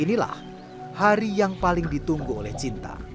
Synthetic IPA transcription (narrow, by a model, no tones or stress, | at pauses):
inila̰h | haɾijaŋpalɪŋd̪i̤t̪uŋɡoolɛht͡ʃint̪a̰